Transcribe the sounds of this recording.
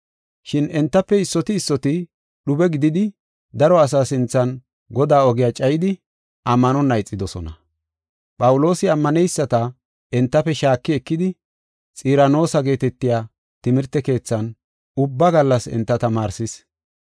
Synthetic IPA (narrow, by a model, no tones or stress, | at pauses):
ʃɪnɛnt̪ːɐpːɛɪsːɔt̪ɪːsːɔt̪ɪ | ɗʊbɛɡɪd̪ɪd̪ɪ | d̪ɐɾɔɐs̬aːsɪnt͡sːɐn | ɡɔd̪aːɔɡɪjat͡ʃʼɐjɪd̪ɪ | ʔɐmːɐnɔnɐjt͡sʼːɪd̪ɔsɔnɐ | pʼɐwʊlo̞ːsɪɐmːɐnɛjsːɐt̪ɐ | ɛnt̪ːɐfɛʃaːkːɪɛkːɪd̪ɪ | t͡sʼiːɾɐno̞ːsɐɡe̞ːt̪ɛt̪ːɪjaː | t̪ɪmɪɾt̪ːɛke̞ːt͡sːɐn | ʊbːɐɡɐlːɐsɛ̰nt̪ːɐt̪ɐmaːɾsɪs